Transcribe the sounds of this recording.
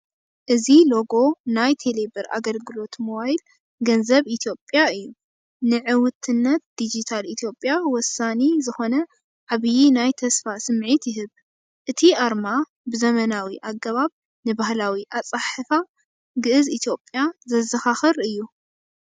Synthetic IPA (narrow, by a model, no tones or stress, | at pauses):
ʔɨzilo̞ɡo̞najt̪ʰelebɨɾʔa̰ɡɐlɡɨlo̞t̪moβajl | ɡɐnzɐβit̪ʰjo̞pʼjaɨjːu | nɨʕɨwʊt̪ʰɨnːɐt̪̚d̪̥id͡ʒit̪ʰalit̪ʰjo̞pʼːjawɔsanezɨxo̞nɐ | ʕaβɨjinajt̪ʰɐsfasɨmʕit̪jɪɦɨβ | ʔɨt̪ʰiʔaɾma | bɨzɐmɐnawiʔaɡːɐβaβ | nɨbahlawiʔat͡sʼaħɨfa | ɡɨʔɨzit̪ʰjo̞pʼjazɐzɐxaxɨɾɨjːu